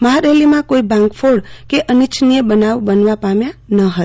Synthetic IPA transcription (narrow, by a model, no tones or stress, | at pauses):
məɦaɾelimãkoibãŋkpʰoɽkeʔənit͡ʃʰnijəbənawbənʋapamjanəɦət̪